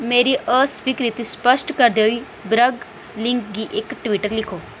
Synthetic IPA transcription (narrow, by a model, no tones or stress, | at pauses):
meɾiʔəsʋikɾit̪ispəʂʈkəɾd̪oi | bɾəɡ | liŋkɡiʔekʈʋiʈəɾlikʰo